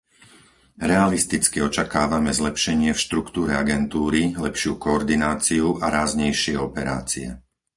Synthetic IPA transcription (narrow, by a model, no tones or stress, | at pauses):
ɾɛalist̪it͡skiɔt͡ʃakaːʋamɛzlɛpʃɛɲɪɛfʃt̪ɾukt̪uːɾɛaɡɛnt̪uːɾilɛpʃɪuːkɔːɾd̪inaːt͡siuʔaɾaːzɲɛjʃɪɛɔpɛɾa̰ːt͡siɛ̰